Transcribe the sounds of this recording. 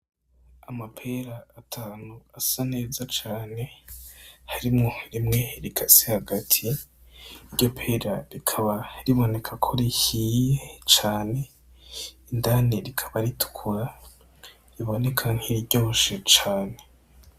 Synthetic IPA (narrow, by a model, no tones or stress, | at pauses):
amapʰeɾaːtʰaːnuasane̞ːzat͡ʃaːne̞ | haɾimŋo̞ɾimŋe̞ɾikʰasehaɡatʰiː | ɾɟo̞pʰeɾaɾikʰaβaɾiβo̞ne̞kʰakʰoɾihijet͡ʃaːne̞ | indaneɾikʰḁβaɾitʰu̥kʰuɾa | ɾiβo̞ne̞kʰaŋ̥hiɾiɾɟo̞ːʃet͡ʃaːne̞